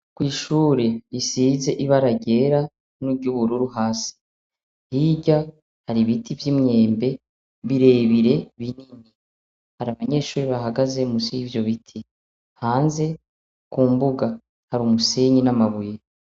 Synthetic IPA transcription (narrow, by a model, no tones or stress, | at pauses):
kwiːʃuːɾeisize̞ʔiβaɾaɟe̞ɾa | nuɡɟuβuɾuɾuɦaːsi̥ | hiɟa | haɾiβitʰivjimɲe̞ːmbe̞ | βiɾe̞βiɾe̞βinini | haɾaβaɲe̞ʃuːɾiβaɦaɡaze̞musiivjo̞βitʰi | haːnze̞ | kuːmbuɡa | haɾumuseɲinamaβuje